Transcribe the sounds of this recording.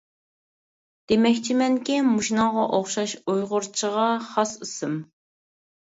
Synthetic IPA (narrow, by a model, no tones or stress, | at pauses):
d̪̥emɛkʲt͡ʃʰimɛŋkʲimuʃinɑŋʁɑʔoχʃɑʃujʁʊɾt͡ʃʰəʁɑχɑsɨsɨm